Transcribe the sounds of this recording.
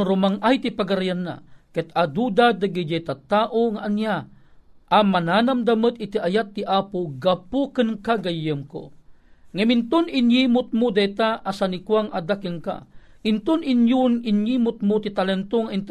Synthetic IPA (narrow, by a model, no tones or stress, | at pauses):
ɾʊmaŋʔajt̪ipaɡaɾajanːa̰kɛt̪ad̪ud̪ad̪aɡid͡ʒat̪at̪aːʔoŋaʔanja | ʔamanaːnamd̪amət̪it̪iʔajat̪ːiʔapoɡapukənkaɡajːəmko̰ | ŋɐmɪnt̪ʊnɪnjimʊt̪̚mʊd̪ajt̪aʔasanikwaŋʔad̪akəŋka̰ʔɪnt̪ʊninjunɪnjimʊt̪̚mot̪it̪alɛnt̪oŋaint̪